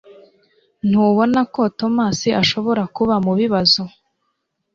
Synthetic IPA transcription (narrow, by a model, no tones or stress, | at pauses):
n̥uβo̞nako̞to̞maːsiʔaʃo̞βo̞ɾakuβamuβiβazo